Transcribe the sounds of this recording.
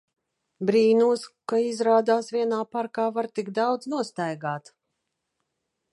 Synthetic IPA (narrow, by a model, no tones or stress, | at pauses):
bɾiːnuɔskaizɾaːd̪aːsvʲiɛnaːpaɾkaːvaɾt̪iɡd̪awd̪znuɔst̪ajɡaːt̪